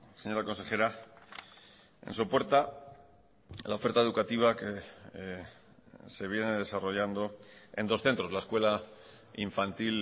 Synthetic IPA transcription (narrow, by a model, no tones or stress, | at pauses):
se̞ɲo̞ɾako̞nse̞xe̞ɾa | ḛnsopo̞ɾt̪a | laofe̞ɾt̪aeðukat̪iβ̞ake | se̞β̞je̞ne̞ð̞e̞saro̞ʝand̪o̞e̞̰nd̪o̞sθe̞nt̪ɾo̞zlaeskwe̞la | iɱfant̪il